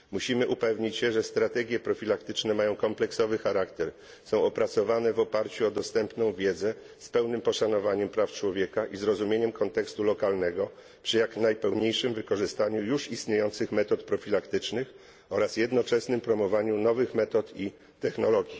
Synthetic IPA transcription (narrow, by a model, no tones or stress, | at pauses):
muɕimɘʔupɛvɲit͡ɕɕɛʐɛst̪ɾat̪ɛɡʲjɛpɾɔfʲilakt̪ɘt͡ʂnɛmajɔ̃w̃kɔmplɛksɔvɘxaɾakt̪ɛɾ | sɔ̃w̃ɔpɾat̪sɔvanɛvɔpaɾt͡ɕuɔd̪ɔst̪ɛmpnɔ̃w̃vʲjɛd̪zɛ | spɛwnɘmpɔʂanɔvaɲɛmpɾaft͡ʂwɔvʲjekaʔizɾɔzumʲjeɲɛmkʰɔnt̪ɛkst̪ulɔkalnɛɡɔ | pʂɘjaknajpɛwɲejʂɘmvɘkɔʐɘst̪aɲujuʂist̪ɲejɔnt̪sɘxmɛt̪ɔt̪pɾɔfʲilakt̪ɘt͡ʂnɘx | ɔɾasjɛd̪nɔt͡ʂɛsnɘmpɾɔmɔvaɲunɔvɘxmɛt̪ɔt̪i | t̪ɛxnɔlɔɡʲji